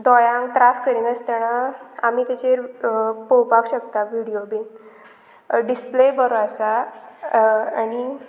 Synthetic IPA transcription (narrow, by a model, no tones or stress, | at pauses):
d̪ɔjãŋɡt̪ɾaskəɾiːnəst̪əɾnaamit̪at͡ɕeɾpowpakɕək̚t̪aʋiɽijobin | ɖisplebəɾoasa | añi